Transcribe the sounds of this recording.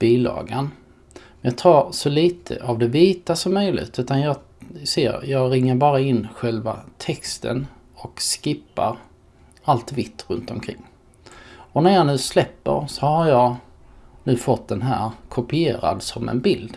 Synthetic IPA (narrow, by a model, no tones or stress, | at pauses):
b̥iːlɑ̰ːɡan | mɛnjɑːt̪ʰɑːɾsɔliːt̪ʰə̰ʔavd̪ɛviːt̪asɔmːœjlɪ̰ɡt̪ʰʉ̟ːt̪anjɑː | sḛːɾjɑːɡɾɪŋːəɾbɑːɾaɪnːɧɛlvat̪ʰɛkst̪ʰə̰n | ɔkskɪpːaɾ | alt̪vɪt̪ʰːɾɵnt̪ɔmkʰɾɪ̰ŋː | ɔnæɾjɑnʉ̟ːslɛpːə̰ɾsɔhaɾjɑː | nʉ̟ːfɔt̪̚d̪ɛnɦæ̰ːɾkʰʊpɪeːɾa̰d̪sɔmɛ̰nbɪld̪